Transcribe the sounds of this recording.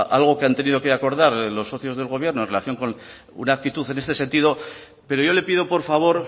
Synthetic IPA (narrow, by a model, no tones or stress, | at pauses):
ʔalɣ̞o̞keant̪e̞nið̞o̞ke̞ako̞ɾðaɾlo̞sːo̞θjo̞zðe̞lɣo̞β̞je̞ɾnonrelaθjo̞ŋko̞n | ṵnaːk̚t̪it̪uθe̞ne̞st̪e̞se̞nt̪iðo | pe̞ɾo̞ʝo̞le̞pið̞o̞po̞ɾfaβ̞o̞ɾ